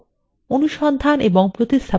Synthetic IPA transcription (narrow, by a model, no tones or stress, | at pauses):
onuʃɔnd̪ʱanʔeboŋpɾot̪ist̪ʰa